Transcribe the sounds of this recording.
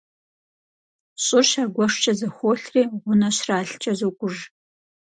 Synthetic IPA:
ɕʼʊrʃaːɡʷɔʂt͡ʃʼɐzɐxʷoːɬriːʁʷʊnɐɕraːɬt͡ʃʼɐzoːkʷʼʊʐ

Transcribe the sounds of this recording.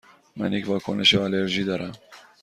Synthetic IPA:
mæ̰njecʰʲvɒːkʰo̰nʔe̞ʃealeɾʒiːd̪ɒːɾæm

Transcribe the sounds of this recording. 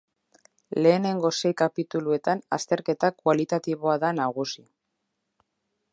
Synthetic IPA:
le̞ːne̞ŋɡo̞se̞jkapit̪ulue̞t̪ana̰st̪e̞ɾke̞t̪akwalit̪at̪iβo̞aðanaɣusi

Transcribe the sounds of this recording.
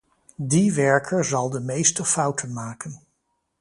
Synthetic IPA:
diʋɛɹkʰəɹzɑlˠdəmejstəfʌwtənmaːkən

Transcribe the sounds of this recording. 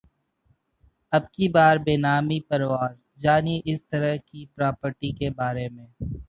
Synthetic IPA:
ɐbkibaːɾbeːnaːmipɐɾwaːɾ | d͡ʒaːnieʔɪst̪əɾəɦkipɾaːpəɾʈikebaːɾemẽː

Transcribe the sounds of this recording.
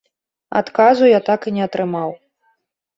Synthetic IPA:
a̰t̪kazujat̪akinʲɛɐt̪ɾɨmaw

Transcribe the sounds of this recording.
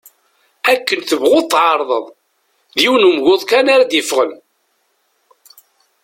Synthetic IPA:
ækːənθəvʁʊt̪ˤːʕɑɾˤðˤə̰ðˤ | ðjiwnumʝʊðˤkænaɾad̪jəfʁən

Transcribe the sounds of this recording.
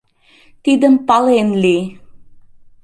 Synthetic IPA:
t̪id̪əmpalenli

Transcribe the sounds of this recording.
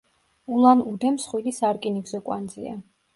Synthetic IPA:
ulˠanud̪ɛmsχwilisaɾkʼiniɡzɔkʼwand̪zḭa

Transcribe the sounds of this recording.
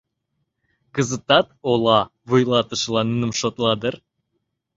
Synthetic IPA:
kəzət̪ɑt̪olˠɑvujlˠɑt̪əʃəlˠɑnnɨmʃot̪lˠɑd̪əɾ

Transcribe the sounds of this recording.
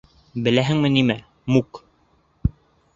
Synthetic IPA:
bɘ̆læɦɘŋmɘ̆nimæ | muk

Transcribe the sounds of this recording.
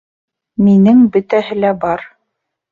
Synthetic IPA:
minɘŋbɵ̆t̪æhɘ̆læbɑɾ

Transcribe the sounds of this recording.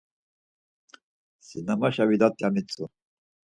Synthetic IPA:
sinamaʃaβid̪at̪ʼːjamit͡sʼu

